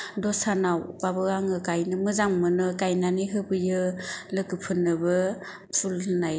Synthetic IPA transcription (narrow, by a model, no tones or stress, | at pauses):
dɔsanawkabɯaŋɯkajnɯmɯzaŋmɯnɯkajnaniɦɯbɯjɯlɯkɯpʰɯnɯbɯ | pʰulnaj